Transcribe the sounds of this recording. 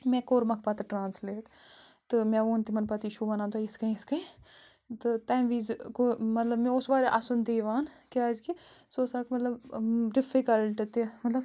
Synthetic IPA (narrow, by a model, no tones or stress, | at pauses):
mɛ̃koːɾmɐkʰpat̪ɐʈɾaːnsleːʈ | t̪ɨmẽoːnt̪imɐnpɐt̪iʃuʋɐnãːnt̪ajɪskɐĩskɐĩ | t̪ɨt̪aːʋiːzkomɐt̪lɐbmẽʊsbaːɾeʔasund̪eːʋaːnkeaːzkisoːsaːkmɐt̪lɐbɖɪfikɐlʈt̪imɐt̪lɐb